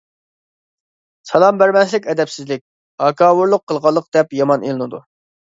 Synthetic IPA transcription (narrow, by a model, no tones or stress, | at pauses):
sɑlˠɑmbæɾmɛslɪkʲɛd̪ɛpsɪzlɪk̚ʲ | ɑkʰɑːwuɾlˠʊqʰːəlˠʁɑlˠːəq̚d̪ɛpjɑmɑnelˠɨnɨd̪u